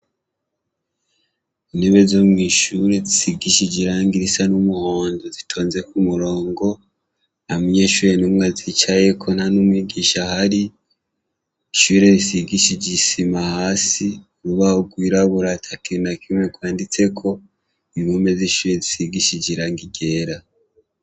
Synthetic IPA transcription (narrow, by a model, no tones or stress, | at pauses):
ineβe̞zomŋiːʃuɾe̞zisiɡiʃid͡ʒiɾaːŋɡiɾisanumuhoːnzozitʰo̞ːnze̞kumuɾo̞ːŋɡo̞ | amuɲeʃuːɾenumŋazit͡ʃaje̞kʰo̞nhanumwiɡiːʃahaɾi | iʃuɾe̞βisiɡiʃid͡ʒisimahaːsiuɾuβahuɡwiːɾaβuɾatʰakinakimwekwaːndit͡se̞kʰo̞ | iβome̞ziʃuɾezisiɡiʃid͡ʒiɾaːŋɡiɟe̞ːɾa